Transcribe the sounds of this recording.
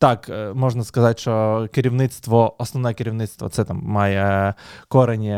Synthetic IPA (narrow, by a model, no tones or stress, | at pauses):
t̪akmɔʐnɐskɐzatʲʃɔkɪɾʲiʋnɪt̪st̪ʋɔɔsnɔʋnɔjɛkɪɾʲiʋnɪt̪st̪ʋɐ̰t̪sɛt̪amːajɛkɔɾenʲɛ